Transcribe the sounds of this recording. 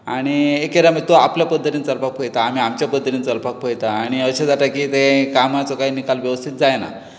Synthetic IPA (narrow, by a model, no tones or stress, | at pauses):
a̰ɽ̃iekeɾamət̪oapljapəd̪ʱːət̪int͡səɾpak̚pʰəjt̪aːm̤iːamt͡ɕjapəd̪ʱːət̪iːnt͡səɾpak̚pəjt̪aːɽ̃iəɕad͡zaʈ̪akiːt̪ekamat͡sokaiːnikalʋjəʋəst̪ʰit̪̚d͡zajna̰